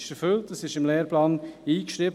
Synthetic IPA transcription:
ʃɛɾfʏltəsɪʃɪmleːɾplɑːniːkʃɾiːb

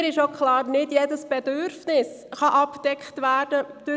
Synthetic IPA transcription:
ɾɪʃokχlɑːɾnɪdjɛdəsb̥ɛdʏɾfnɪs | χɑʔɑptɛkχtʋæːd̥əd̥ʊ

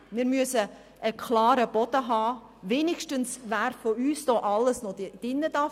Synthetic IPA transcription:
miːɾmyəsə | ʔəkʰlɑːɾəb̥ɔd̥əɦɑː | veːnɪʃtənsʋæːɾfoyːsd̥ɔːʔɑlːəsnɔdd̥ɪnːədɑ

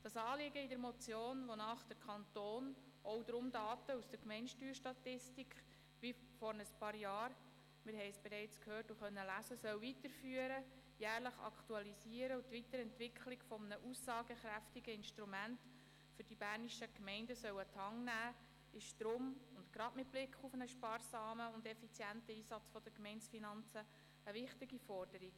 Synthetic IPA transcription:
d̥ɑsɑːlɪɡəidəɾmɔt͡sjoːnʋonɑːχd̥əɾkʰχɑnt̪oːn | ʔɔwd̥̪ɾʊmdɑːtəusd̥əɾkmɛɪnʃtyːɾʃtɑtɪstikχ | ʋi | fɔɾnəspɑːɾjɑːɾ | mɪɾɦɛɪsb̥ɛɾɛɪt͡skhøːrtuχœnːəlæsəsœwvitəɾfyːəɾə | jæːɾləχɑ̰ktuɑlisiəɾəut̪ʋitəɾɛntʋɪkʰχlɪɡfɔmənəʔusːɑːɡəχɾæftiɡəɪnʃtɾumænt | fʏɾd̥ibæːɾniʃəkmɛɪndəsœwətʰɑŋnæː | ɪʃtɾoːmʊntɡ̥ɾɑdmɪt̚b̥lɪkʰχufənəʃpɑːɾsɑːməʊndɛfit͡sjæntəiːsɑt͡sfɔd̥əkmɛɪnt͡sfinɑnt͡səː | vɪχtɪɡifɔɾd̥əɾiɡ

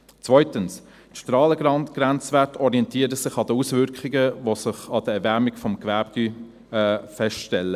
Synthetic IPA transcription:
t͡svœʏtəns | tʃtrɑːləɡɑnɡ̥ɾænt͡svæɾtʰɔɾiɛntiːəɾəsɪχɑd̪əusvʏɾkχɪɡəvosɪχɑd̥əɛɾvæɾmɪɡfɔmɡvæːp̚ɡ̥y | ɛːfɛstʃtɛlːə

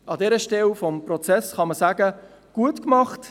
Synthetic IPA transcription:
ʔɑdɛːɾəʃtɛlfɔmprɔt͡sɛsχɑməsæːɡə | ɡ̥uətkmɑχt

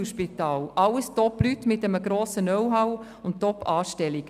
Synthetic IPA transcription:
ʃpitɑːlʔɑləstɔplytmɪtɛməɡɾoːsənœwɦaw | ʊnt̚tːɔpːɑːʃtɛliɡ

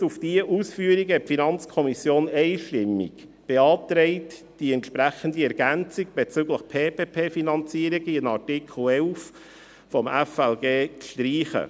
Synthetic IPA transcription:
ufd̥iəʔusfyəɾiɡɛfinɑnt͡skʰɔmisjoːnɛɪʃtɪmːḭɡ̥ | b̥eɑːtɾɛɪt | d̥iɛntʃpɾæχəndiɛɾɡ̥ænt͡siɡb̥et͡sʏɡləχpʰeːpeːpʰeːfinɑnt͡siəɾiɡiənɑɾtikχl̩ɛlf | fɔmɛfɛlɡeːkʃtɾiːχə̰

